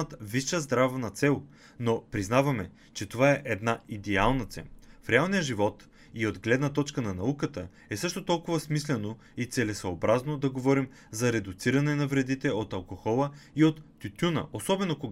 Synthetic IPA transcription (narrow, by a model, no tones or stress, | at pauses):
t̪viʃəzd̪ɾavnɐt̪sɛlˠ | nopɾiznavɐmɛ | t͡ʃɛt̪ovaɛʔɛd̪naid̪ɛalˠnɐt̪sɛ̰nfɾɛalˠnijəʒivɔt̪ | iod̪ɡlɛd̪nɐt̪ɔt͡ʃkənɐnɐukət̪ə | ɛsɤʃt̪ot̪ɔlˠkʊvɐsmislɛno | it̪sɛlɛsɐobɾaznod̪ɐɡovɔɾim | zɐɾɛd̪ʊt̪siɾɐnɛnɐvɾɛd̪it̪ɛot̪ɐlˠkoxɔlˠəiot̪ːʲut̪ʲunə̰ʔosɔbɛnoko